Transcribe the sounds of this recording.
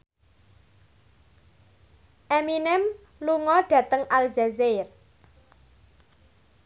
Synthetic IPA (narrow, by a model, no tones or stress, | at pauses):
ʔeminɛm | luŋɔɖ̥ä̤t̪əŋalzazer